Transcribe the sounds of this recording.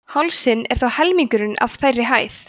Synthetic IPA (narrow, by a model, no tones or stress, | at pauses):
halsɪnɛ̰ɾ̥θawhɛlmiŋkʏɾɪnʔa̰v̥θajrːɪɦaːjθ